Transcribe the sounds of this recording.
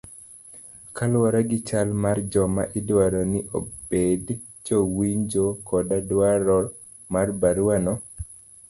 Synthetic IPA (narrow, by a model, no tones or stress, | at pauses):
kalwaɾaɡɪt͡ʃalmard͡ʒɔma̰ʔɪdwaɾɔnɪʔobed | t͡ʃowiɲd͡ʒokɔdadwaɾɔ | marbaɾanɔ